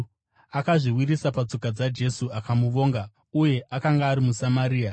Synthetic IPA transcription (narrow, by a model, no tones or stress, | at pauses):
akaʐiwirisapat͡so̞kad͡zad͡ʒe̞suakamuʋo̞ːŋɡa | uje̞ʔakaŋɡaːɾimusamaɾiːa